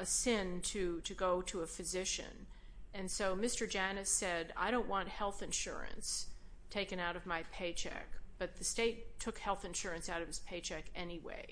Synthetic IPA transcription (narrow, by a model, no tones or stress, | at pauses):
ɨsɪ̃ntʰɨɾɨɡoʊɾəəfɨzɪʃɨ̰̃n | ɨ̃nsoʊmɪstə˞d͡ʒænɨsɛɾa̰ɪɾõʊ̃nʔwɑ̃nt̚hɛlˠθɨ̃nʃʊ̰ɹɨ̰̃ns | tʰeɪkɨ̃naʊɾʌvmaɪpʰeɪt͡ʃʰɛ̰k̚b̥ʌt̪̚ðɨsteɪtʰʊkhɛlˠθɨ̃nʃʊɹɨ̃nsaʊɾʌv̥ɨz̥pʰeɪt͡ʃʰɛkɛniwḛɪ